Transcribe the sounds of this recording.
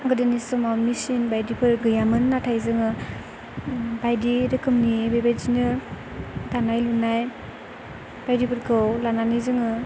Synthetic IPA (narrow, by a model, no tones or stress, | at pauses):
ɡɯdinisɯmawmisinbajdipʰɯɾɡɯjamɯnːatʰajzɯŋɯ | bajdiɾɯkʰɯmnibajbajzinɯ | danajlunaj | b̥ajdipʰɯɾkʰɯwlananizɯŋɯ